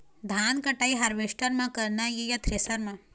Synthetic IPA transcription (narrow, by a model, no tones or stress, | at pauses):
d̪ʱaːnkɐʈaiɦɐɾʋeʃʈəɾmãkɐɾnajejat̪ʰɾesɐɾmã